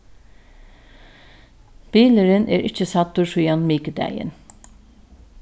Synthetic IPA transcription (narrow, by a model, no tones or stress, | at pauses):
b̥iːləɾənḛːɹʔɪt͡ʃːəsɑt̪ːʊʂuːɑnmiːkəd̪æ̰jə̰n